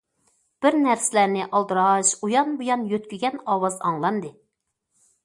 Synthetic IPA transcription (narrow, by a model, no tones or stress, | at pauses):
b̥ɪɾnæɾsɪlæɾnɪʔɑlˠd̪ɨɾɑʃujɑnbujɑnjøt̪kʲyɡʲɛnɑwɑzɑŋlˠɑnd̪ɨ